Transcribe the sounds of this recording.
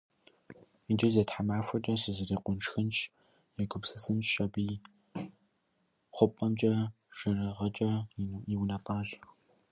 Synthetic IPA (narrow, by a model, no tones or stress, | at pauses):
id͡ʒɨzeːtħamaːfʷɐt͡ʃʼɐsɨzɨriːqʷʊnʈ͡ʂxɨnt͡ʃʰ | jɛɡʷʰʊpsɨsɨnt͡ʃʃɐbiː | χʷʊpʼɐmt͡ʃʼɐ | ʃɐrɨʁɐt͡ʃʼɐiwnɐpʼɑːʒx